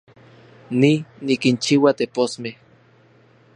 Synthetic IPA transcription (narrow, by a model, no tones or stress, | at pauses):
ninikint͡ʃiwat̪eposmeh